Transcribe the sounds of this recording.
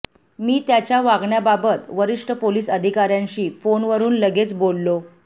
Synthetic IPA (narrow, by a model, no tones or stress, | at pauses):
miːt̪jat͡ɕjaʋaɡɳjababət̪ʋəɾiʂʈʰəpoliːsəd̪ʱikaɾjãɲɕiːfonʋəɾuːnləɡet͡sbolːo